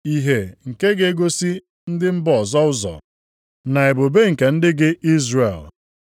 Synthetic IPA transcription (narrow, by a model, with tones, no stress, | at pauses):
i˦ɦe˨ŋ̩˨ke˦ɡe˦e˦ɡo˦si˦ | n̩˦dɪ˦m̩˦bɔɔ˨zɔ˦ʊ˦zɔ̰˨ | na˨e˨bo˨be˦ŋ̩˨ke˨n̩˦dɪ˦ɡɪ˦ʔi˦zre˨l